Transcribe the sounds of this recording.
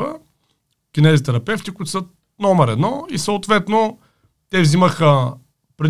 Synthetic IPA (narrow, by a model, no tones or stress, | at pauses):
ə | kʲinɛzit̪ɛɾɐpɛft̪ikʊt̪ʊsə | nɔməɾɛd̪nɔisəot̪vɛt̪no | t̪ɛvziməxə | pɾi